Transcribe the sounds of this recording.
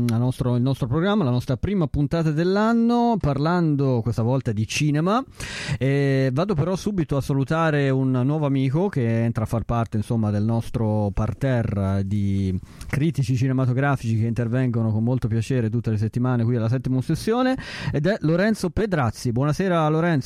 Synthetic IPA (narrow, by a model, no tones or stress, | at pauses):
anɔst̪ɾoilnɔst̪ɾopɾoɡɾamːalanɔst̪ɾapɾiːmapunt̪aːt̪ad̪elːanːoparland̪okwest̪avɔlt̪ad̪it͡ʃiːnemaɛvaːd̪opeɾɔsːuːbit̪oasːalut̪aːɾeunːwɔːvoamiːkok̟eɛnt̪ɾafːarpart̪einsomːad̪elnɔst̪ɾopart̪ɛrːd̪i | kɾiːt̪it͡ʃit͡ʃinemat̪oɡɾaːfit͡ʃik̟eint̪ervɛŋɡonokomːolt̪opjat͡ʃeːɾet̪ut̪ːeles̬et̪ːimaːnekwialːas̬ɛt̪ːimosesːjoːneːd̪ɛloɾɛnt̪soped̪ɾat̪sːibwɔnasɛːɾaloɾɛnt̪s